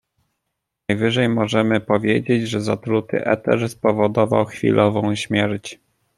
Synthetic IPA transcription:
najvɘʐɛjmɔʐɛmɘpɔvʲjed͡ʑed͡ʑʐɛzat̪ɾut̪ɘ̰ʔɛ̰t̪ɛ̰ɾspɔvɔd̪ɔva̰wxfʲḭlʔɔvɔ̃w̃ɕmʲjɛɾt͡ɕ

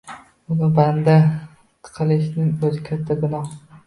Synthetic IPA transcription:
ʊnɪband̪a | t̪ʰɨ̥qʰɨlˠɪʃ̬nɪŋɵzɪkʲʰat̪ʰːaɡʲʊnɒh

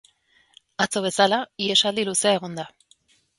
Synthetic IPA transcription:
at͡so̞β̞e̞salaie̞sald̪iluse̞ae̞ɣ̞o̞nd̪a

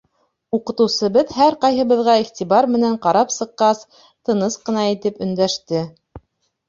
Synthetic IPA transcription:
uqɤ̆t̪ɤ̆wsɤ̆βɤðhæɾqɑjɦɤ̆βɤ̆ðʁɑiχt̪ʲiβɑɾmɘ̆næɴqɑɾɑpsɤ̆qːɑs | t̪ɤ̆nɤsqɤ̆nɑit̪ɘpɵ̆nd̪æʃt̪ɘ

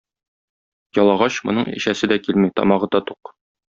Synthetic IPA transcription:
jɒlˠɑʁɑɕmŏ̰nɤɴḭ̆ɕæsɘd̪ækilmit̪ɒ̰mɑʁɤd̪ɒt̪uq

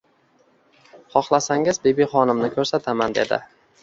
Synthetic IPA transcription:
χɒχlˠasaŋɪzbebiχɒnɪmnɪkʲʰɵɾsat̪ʰamand̪e̞d̪ɪ̰

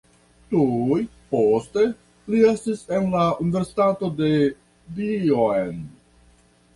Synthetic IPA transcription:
tuj | poste̞ | lie̞stise̞nlaunive̞ɾsi̥tato̞de̞ | bioen

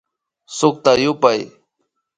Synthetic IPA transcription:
sʊk̚t̪ajʊpaj

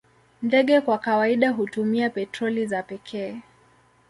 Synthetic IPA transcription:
ndɛɠɛkwakawaiɗaɦutumiapɛtɾɔlizapɛkʰɛː

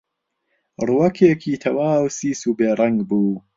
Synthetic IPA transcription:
ruːɐkʰeːkʰiːt̪ʰɐwaːwsiːsuːbeːɾˤɐŋɡbuː

